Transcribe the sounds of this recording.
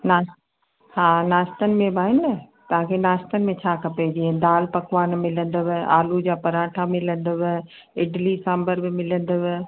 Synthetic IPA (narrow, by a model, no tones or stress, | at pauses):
naːs | haːnaːst̪ənɪ̆mẽbʱaːɦɪnnət̪ɐʋ̤ãkʰenaːst̪ənɪ̆mẽt͡ɕʰaːkɐped͡ʑied̪aːlpɐkʋaːnmɪlə̃nd̪əʋɪʔaːlud͡ʑaːpɐɾãːʈʰamɪlə̃nd̪əʋɪ | ɪɖlisãːmbəɾbɪmɪlə̃nd̪əʋɪ